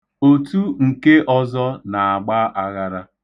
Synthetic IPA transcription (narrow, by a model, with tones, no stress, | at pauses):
o˨tu˦ŋ̩˨ke˦ʔɔ˦zɔ˦na˨a˨ɡ͡ba˦ʔa˦ɣa˦ɾa˦